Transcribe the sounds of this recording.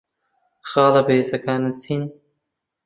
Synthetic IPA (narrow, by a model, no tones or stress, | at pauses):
xɑːlɐbeːsɐkaːnɐsin